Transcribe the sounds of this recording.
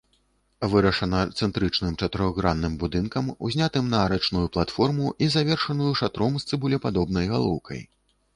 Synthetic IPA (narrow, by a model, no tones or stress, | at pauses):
vɨɾɐʂɐnɐt̪sɛnt̪ɾɨt͡ʂnɨmt͡ʂɐt̪ɨɾɔɣɾanːɨmbud̪ɨnkɐmṵzʲnʲat̪ɨmnɐːɾɛt͡ʂnujuplˠat̪fɔrmuʔizavʲɛrʂɐnujuʂat̪ɾɔmst̪sɨbulʲɛpad̪ɔbnɐjɣalˠɔwkʰɐ̰j